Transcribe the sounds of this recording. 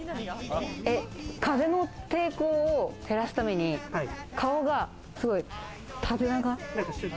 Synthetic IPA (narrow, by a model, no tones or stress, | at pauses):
e̞kaze̞no̞t̪e̞ːko̞ːt̪ʰe̞ɾasɨ̥t̪ame̞ɲ̟ikʰao̞ɡa | sɨɡo̞i | t̪ʰabe̞naɡa